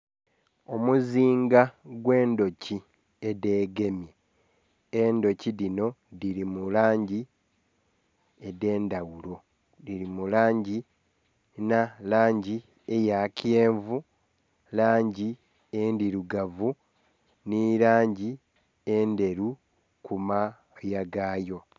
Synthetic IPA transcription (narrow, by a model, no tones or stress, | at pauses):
o̞muziːŋɡaɡwe̞ːndo̞ci | ede̞ːɡe̞mi | endo̞ciɾino̞ | diɾimulaːɲɟi | ede̞ːndawulo̞ | diɾimulaːɲɟi | nalaːɲɟi | ejakjeːɱvu | laːɲɟi | endiɾuɡavu | niɾaːɲɟi | e̞nde̞ɾu | kuma | jaɡaːjo̞